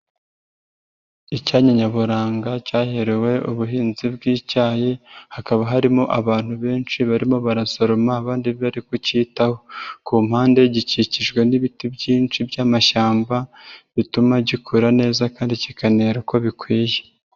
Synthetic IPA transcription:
icaːɲaɲaβuɾaːŋɡacaːheɾewe̞ʔuβuɦiːnzibɡiːcaːjehakaβaɦaɾimo̞ʔaβaːn̥huβe̞ːnʃiβaɾimo̞βaɾaso̞ɾo̞maːβaːndiββaɾikuciːtaho̞kuːm̥haːnde̞ɟiciciʒɡwe̞niβitibɟiːnt͡ʃibjaːmaʃaːmbaβitumaɟikʰuɾane̞ːzakaːndicikaneːɾuko̞βikwiːje

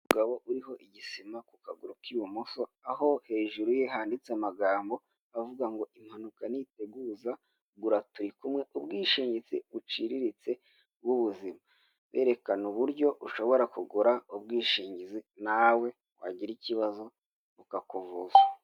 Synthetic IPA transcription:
uuɡaβo̞ʔuɾiɦo̞ʔiɟisimakukaɡuɾukiwumuso̞aho̞he̞ːʒuɾujeɦaːndit͡seamaɡaːmbo̞ | avuɡaŋɡo̞ʔim̥hanukanite̞ɡuːza | ɡuɾatuɾikumŋe̞ʔubɡiːʃiːɲɟit͡siβut͡ʃiɾiɾit͡se̞ | b̚ɡuβuzima | βe̞̰ːɾe̞kanuβuɾɟo̞uʃo̞βo̞ɾakuɡuɾaubɡiːʃiːɲɟizinawe̞ | wa̰ɟiɾiciβazo̞ | βukakovuza

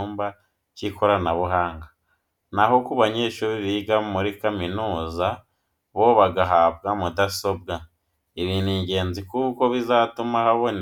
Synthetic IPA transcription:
uːmba | ciko̞ɾanaβuɦaːŋɡa | naho̞kuβaɲe̞ːʃuβiβiɡamuɾikaminuːza | βo̞βaɡaɦaːbɡamudaso̞bɡa | iβiniːɲɟe̞ːnzikuko̞βizatumahaβon

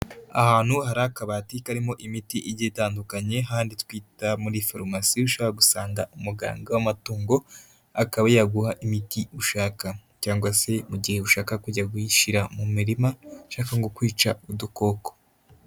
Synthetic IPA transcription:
a̰haːn̥huhaɾakaβatikaɾimo̞ʔimitiʔiɟitaːndukaɲe̞ɦaːnditkwiːtamuɾifoɾmasiuʃoβahaɡusaːŋɡaumuɡa̰ːŋɡawamatuːŋɡo̞ | akaβajaɡuhaʔimitiuʃaːkacaːŋɡwase̞muɟihe̞uʃaːkakuɟaɡuiʃiɾamumiɾimaʃaːkaŋɡokwiːt͡ʃauduko̞ːko̥

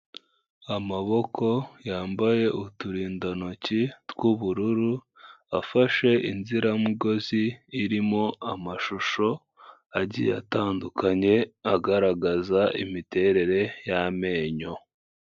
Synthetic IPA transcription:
amaβo̞kʰo̞jaːmbaje̞ʔutuɾiːndanocitwuβuɾuɾu | afaʃe̞ʔinziɾamiɡo̞ziːɾimo̞amaʃuʃo̞ | aɟḭja̰taːndukʰaɲe̞aɡaɾaɡazaʔḭmite̞ɾe̞ɾe̞jame̞ːɲo̞

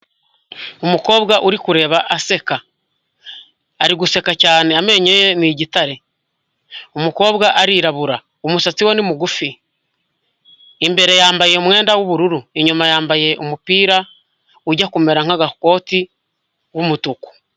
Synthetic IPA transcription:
omuko̞ːβɡaʔuɾikuɾe̞ːβaʔase̞ka | ɾiɡuse̞kacaːne̞ame̞ɲejeniɟitaɾe̞ | omuko̞ːβɡaʔaɾiːɾaβuɾa | omusat͡siwonimuɡufi | mbe̞ɾe̞jaːmbajeomwe̞ːndawuβuɾuɾueɲumajaːmbaje̞ʔomupiːɾa | uɟakumeɾaŋ̥aɡako̞ːti | wumutuku̥

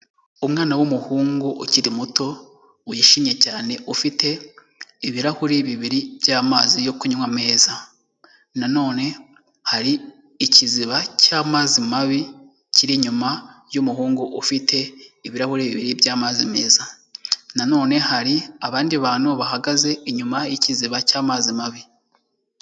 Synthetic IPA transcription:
umŋaːnawumuhuːŋɡuʔuciɾimuto̞ | ujiʃimje̞caːne̞ʔufite̞ | iβiɾahuɾiβiβiɾibjaːmaːzijo̞kuɲumwame̞ːza | nano̞ːne̞ | haɾi | iciziβacaːmaːzimaβi | ciɾiɲumajumuɦuːŋɡuʔufitʰe̞iβiɾahuɾiβiβiɾibjaːmaːzime̞ːza | nano̞ːne̞haɾiaβaːndiβaːn̥uβahaɡaze̞iɲumajiciziβacaːmaːzimaβi

